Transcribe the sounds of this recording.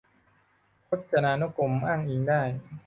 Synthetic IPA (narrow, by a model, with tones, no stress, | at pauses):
kʰo˦˥t̪̚t͡ɕa˧naː˧no˦˥˩ko˧mʔaː˥˩ŋʔiː˧ŋdaː˥˩j